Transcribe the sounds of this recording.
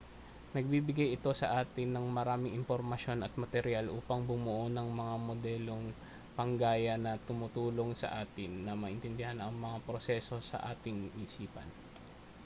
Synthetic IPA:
nɐɡ̚bibɪɡajɪt̪o̞sɐʔaːt̪ɪnːɐŋmɐɾaːmɪŋʔɪmpoɾmɐʃjo̞nɐt̪̚mɐt̪ɛɾɪjalʔuːpɐŋbʊmʊʔonɐŋmɐŋamo̞d̪ɛːlo̞ŋ | pɐŋɡaːjɐnɐt̪ʊmʊt̪uːlo̞ŋsɐ̰ʔaːt̪ɪnːɐmɐʔɪnt̪ɛnd̪ɪhanɐŋmɐŋapɾo̞sɛso̞sɐ̰ʔaːt̪ɪŋʔisiːpɐ̰n

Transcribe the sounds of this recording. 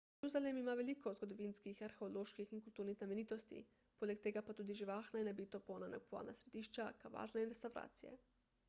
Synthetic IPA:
jeɾuzalemimaʋelikozɡo̞d̪oʋinskixaɾxeoloːʃkixiŋkult̪uːɾniznamenit̪ost̪ḭ | polʲek̚t̪eɡapat̪uːd̪iʒiʋaːxnainabit̪oponanakpua̰ːlna̰sɾe̞d̪iʃt͡ʃakaʋa̰ɾneinɾest̪awɾa̰ːt̪sijḛ

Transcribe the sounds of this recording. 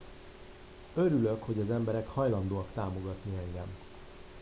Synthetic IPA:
øɾyløkho̞ɟɒzɛmbɛɾɛkhɒjlɒnd̪oːɒkt̪aːmo̞ɡɒt̪niɛŋɡɛm

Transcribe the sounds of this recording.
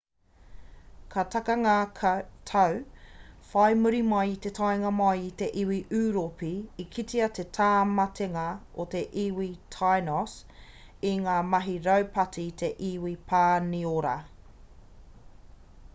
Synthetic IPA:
kʰɐt̪ʰɐkɐŋatʰɐw | fɐjmuɾimɐjit̪e̞tʰajŋɐmɐjit̪e̞ʔiwiʔʉːɾopiːkʰitiɐt̪ʰe̞tʰaːmɐtʰeŋɐot̪e̞ʔiwitʰajnɔs | iŋaːmɐɦiɾɐwpɐtʰit̪ʰe̞ʔiwipʰaːnioɾɐ̰

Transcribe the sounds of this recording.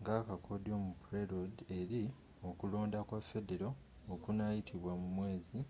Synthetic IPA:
ŋɡakakʰodo̞mupɾeɾodeɾi | okulo̞ːndakwafedeɾoː | kunajitʰiβwamumwe̞ːzi

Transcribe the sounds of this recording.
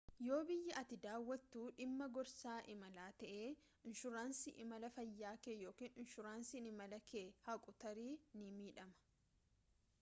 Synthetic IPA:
jo̞ːbɪjːɐʔɐt̪ɪd̪aːwːɐt̪ːuːᶑɪmːɐɡɔɾsaːʔɪmɐlaːt̪ɐʔeː | ɪnʃʊɾaːnsɪʔɪmɐlɐfɐjːaːkeːjo̞ːkiːnɪnʃʊɾaːnsinɪmɐlɐkeːhɐkʼʊt̪ɐɾiːnɪmiːᶑɐmɐ̥

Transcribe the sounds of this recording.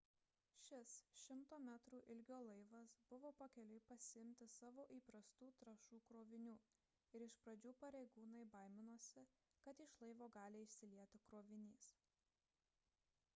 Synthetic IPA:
ʃʲɪsʃʲɪmt̪oːmʲæːt̪ɾuːʔɪlʲɡʲoːlˠɐɪʋɐsbʊʋoːpɐkʲɛlʲɛɪpɐsʲɪɪmʲt̪ʲɪsɑːʋoːʔiːpɾɐst̪uːt̪ɾɐʃuːkɾoːʋʲɪnʲuː | ɪɾɪʃpɾɐd͡ʒʲuːpɐɾʲɛɪɡuːnɐɪbɐɪmʲɪnoːsʲɪkɐt̪ɪʃlˠɐɪʋoːɡɑːlʲeːɪʃʲsʲɪlʲiɛt̪ʲɪkɾoːʋʲɪnʲiːs

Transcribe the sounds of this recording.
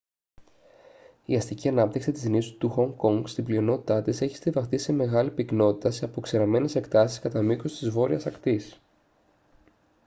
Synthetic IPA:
iɐst̪iciɐnɐp̚t̪iksit̪izinisu̥t̪uxo̞ŋko̞ŋɡst̪iblio̞no̞t̪it̪ɐt̪ise̞çi̥st̪ivɐxt̪ise̞me̞ɣɐlipikno̞t̪it̪ɐseɐpo̞kseɾɐme̞ne̞se̞kt̪ɐsi̥skɐt̪ɐmikost̪izvo̞ɾiɐsɐkt̪is

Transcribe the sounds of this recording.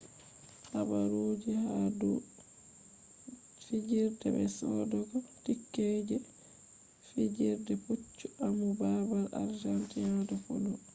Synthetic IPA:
habaɾuːd͡ʒihadu | fid͡ʒiɾdɛ̰bɛ̰sɔdɔɡɔtikːeːd͡ʒɛ | fid͡ʒiɾdɛput͡ʃːuʔamubabaɾa̰ɾd͡ʒantihadufo̰lu

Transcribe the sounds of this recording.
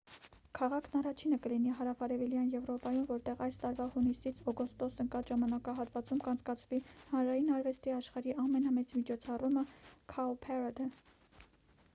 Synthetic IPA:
kʰɑʁɑkʰnɑrɑt͡ʃʰinəkəliniɦɑɾɑvɑɾɛviljɑnjɛvɾɔpɑjumvɔɾt̪ɛʁɑjst̪ɑɾvɑhunisit͡sʰɔɡɔst̪ɔsəŋkɑʒɑmɑnɑkɑɦɑt̪vɑt͡sumkɑnt͡sʰkɑt͡sʰvihɑnɾɑjinɑɾvɛst̪iɑʃχɑɾiʔɑmɛnɑmɛt͡smit͡ʃʰɔt͡sʰɑruməkʰɑɔpʰɛɾad̪ə

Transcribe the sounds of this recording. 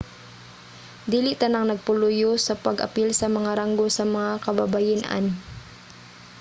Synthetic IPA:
d̪iːliʔt̪ɐnaŋnɐɡ̚pʊlʊjosɐpɐɡʔɐ̰pilsɐmɐŋaɾaŋɡosɐmɐŋakɐbabajɪnʔa̰n

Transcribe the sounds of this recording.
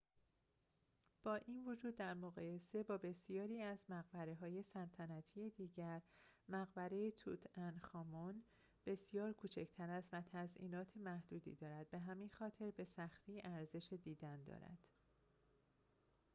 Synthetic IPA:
b̥ɒːʔinvod͡ʒuːd̪ːæɾmoɣɒːje̞se̞bɒːbe̞sijɒːɾiːæzmæɣbæɾeɦɒːje̞sælt̪ʰænæt̪ʰijed̪iːɟæɾmæɣbæɾejet̪ʰut̪ʰænxɒːmon | b̥e̞sjɒːɾkʰuːt͡ʃʰecʰt̪ʰæɾæst̪væt̪ʰæzʔḭːnɒːt̪ʰemæhd̪̥uːd̪ḭːd̪ɒːɾæd̪̚be̞ɦæminxɒːt̪ʰe̞ɾbe̞sæxt̪ʰiːʔæɾze̞ʃed̪iːd̪ænd̪ɒ̰ːɾæ̰d̪̥

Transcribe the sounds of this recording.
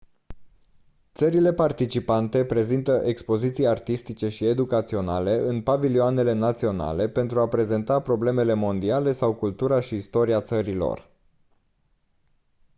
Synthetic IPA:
t̪səɾile̞part̪it͡ʃipant̪e̞pɾe̞zint̪əʔe̞kspo̞zit̪sijart̪ist̪it͡ʃe̞ʃie̞d̪ukat̪sio̞na̰le̞ɨnpavilioane̞le̞nat̪sio̞na̰le̞pe̞nt̪ɾuapɾe̞ze̞nt̪apɾo̞ble̞me̞le̞mo̞nd̪iale̞sawkult̪uɾaʃiːst̪o̞ɾiat̪səɾilo̞̰r

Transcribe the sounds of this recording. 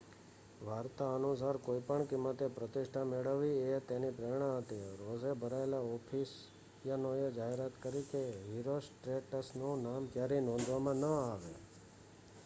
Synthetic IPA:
ʋaɾt̪aənusaɾkoipəɳkɪmːət̪epɾət̪ɪʃʈʰameɭəʋːiet̪enipɾeɾɳ̃ãɦət̪eɾozebʱəɾaelaɔpʰis | janojed͡ʒaɦeɾat̪kəɾikeɦiɾosʈɾeʈəsnonamkjaɾinɔ̃nd̪ʱʋamãnəaʋḛ

